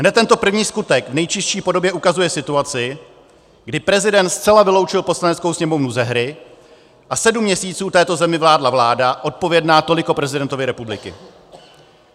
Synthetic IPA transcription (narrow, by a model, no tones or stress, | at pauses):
ɦnɛt̪t̪ːɛnt̪o̞pr̩vɲiːskut̪ɛɡvnɛjt͡ʃɪsʃiːpo̞do̞bjɛʔukazujɛsɪt̪uat͡sɪ | ɡdɪpɾɛzɪdɛnt̪st̪t͡sɛlavɪlowt͡ʃɪlposlanɛt̪t͡skowsɲɛmo̞vnuzɛɦɾɪ | ʔasɛdumːɲɛsiːt͡suːt̪ɛːt̪o̞zɛmɪvlaːdlavlaːdaʔo̞t̪̚po̞vjɛdnaːt̪o̞lɪko̞pɾɛzɪdɛnt̪o̞vɪɾɛpublɪkɪ̰